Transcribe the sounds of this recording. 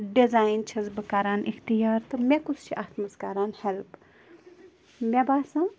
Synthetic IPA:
ɖizaːjnt͡ʃʰɐzbɨkaːɾaːnʔixt̪ijaːɾt̪ɨmʲekusʰt͡ʃʰiʔaːt̪məskaːɾaːnhɛlp | mʲɛbaːsã

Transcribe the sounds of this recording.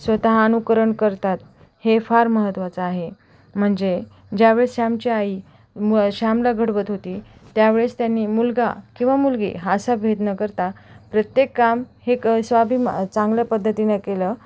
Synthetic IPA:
sʋət̪aɦaənukəɾəɳkəɾt̪at̪̚ | hefaɾməɦət̪ːʋat͡səːɦe | m̤əɳd͡ze | d͡ʑjaʋeɭesɕamt͡ɕiai | ɕamlaɡʱəɽʋət̪ɦot̪iːt̪jaʋeɭest̪janːiːmulɡa̰kĩw̃ʋamulɡḛɦasabʱed̪nəkəɾt̪apɾət̪jekːamheksʋabʱimt͡saŋɡljapəd̪ʱːət̪inəkelə

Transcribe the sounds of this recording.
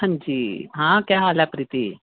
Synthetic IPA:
ə̃nd͡ʒiːɦãːkjaːɦaːlɛːpɾɪt̪iː

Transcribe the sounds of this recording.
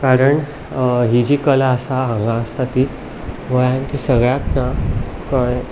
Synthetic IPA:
kaɾəɳ | ɦid͡ʑiːkəlaəsaɦãŋɡast̪at̪iːt̪ | ʋəjãnt̪isəɡɭjaknakəɭ

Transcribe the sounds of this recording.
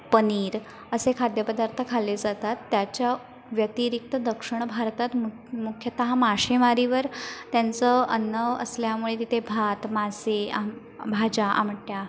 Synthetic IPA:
pəniːɾ | əsekʰad̪jəpəd̪aɾt̪ʰəkʰaled͡zat̪at̪ːjat͡ɕja | ʋjət̪iɾik̚t̪əd̪əkʂəɳ̃bʱaɾt̪at̪m | mukʰjət̪əɦamaɕemaɾiʋəɾt̪jant͡səənːəə̰sljamuɭet̪it̪ebʱat̪masea | bʱad͡ʑaʔa̰m̤əʈʈja

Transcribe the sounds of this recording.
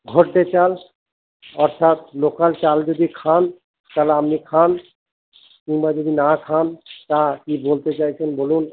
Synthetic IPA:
ɡʱoɾt̪et͡ɕal | ɔɾt̪ʰat̪lokalt͡ɕald͡ʑod̪ikʰan | t̪aleamnikʰan | kiŋbad͡ʑod̪inakʰant̪akibolt̪et͡ɕajt͡ɕʰenbolun

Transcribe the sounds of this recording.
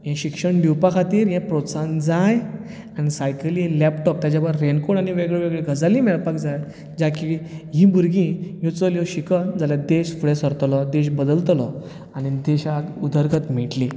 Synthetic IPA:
jãɕikʂəɳɖuwpakʰat̪iːɾjãpɾɔsãnd͡zaj | añisajkəlelɛpʈɔp̚t̪jat͡ɕaʋəɾːenkoɽaɽ̃iʋeɡɭeʋeɡɭeɡʱəd͡zalĩmɛɭpakd͡zaj | d͡ʑakiɦĩbuɾɡĩjut͡səljɔɕikənd͡zaljad̪eɕfuɭɛsəɾt̪lɔd̪eɕbəd̪əlt̪lɔ | añid̪eɕaɡud̪ʱəɾɡət̪miʈli

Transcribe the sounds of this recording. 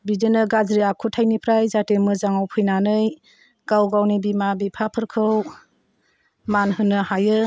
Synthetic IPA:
bidenɯɡazɾiakʰutʰajnipʰɾajzatemɯzaŋawpʰɯjnanɯj | ɡ̥awɡawnibimabipʰapʰɯɾkʰɯw | manhɯnːɯhajɯ

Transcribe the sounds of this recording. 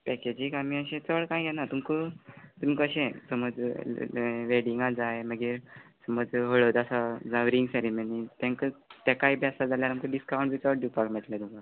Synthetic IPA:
pɛked͡ʑikamiːəɕẽt͡səɭkãjɡɛnat̪umkət̪umkəɕẽsəməd͡z | ʋeɽiŋɡad͡zajeməɡesəməd͡zɦəɭəd̪asad͡zaʋɾiŋɡseɾimənit̪ãŋkət̪akaibʱjasad͡zaljaɾaməkəɖiskawũɳʈbit͡səɽɖipaʈmẽt̪lat̪umka

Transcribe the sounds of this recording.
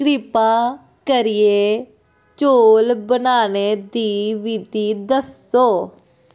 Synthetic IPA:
ɾɪpaː | kəɾɪeː | t͡ʃoːlbənaːneːd̪iːʋiːd̪iːd̪əsoː

